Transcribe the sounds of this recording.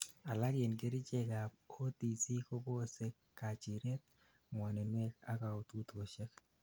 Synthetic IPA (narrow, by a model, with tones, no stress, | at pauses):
a˨la˦ɾje˨nɡe˦ɾi˦t͡ʃɛ˨ka˨ | o˦ti˨si˦ko˦bo˦se˦kː | a˨t͡ʃɪ˨ɾɛ˦t̪̚ | mwa˨nɛ˨nwɛ˦ka˦ka˨ɔ˨t̪u˦t̪ko˨ʃɛ˦k